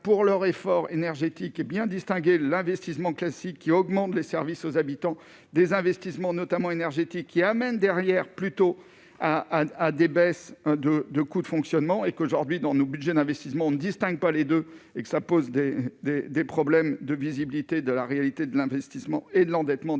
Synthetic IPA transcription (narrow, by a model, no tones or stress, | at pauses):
puʁlœʁefɔʁenɛʁʒet̪ikebjɛ̃d̪ist̪ɛ̃ɡʲelɛ̃vɛst̪ismɑ̃klasikʰːiɔɡmɑ̃t̪lesɛʁvisozabit̪ɑ̃ | d̪ezɛ̃vɛst̪ismɑ̃nɔt̪amɑ̃enɛʁʒet̪ikʰːiamɛnd̪ɛʁjɛʁplyt̪o | aːd̪ebɛsd̪əd̪əkud̪əfɔ̃ksjɔnmɑ̃ekoʒuʁd̪ɥid̪ɑ̃nobyd̪ʒɛd̪ɛ̃vɛst̪ismɑ̃ɔ̃nəd̪ist̪ɛ̃ɡ̚paled̪øekə̥sapozd̪ed̪ed̪epχɔblɛmd̪əvizibilit̪ed̪əlaʁealit̪ed̪əlɛ̃vɛst̪ismɑ̰̃ed̪əlɑ̃d̪ɛt̪mɑ̃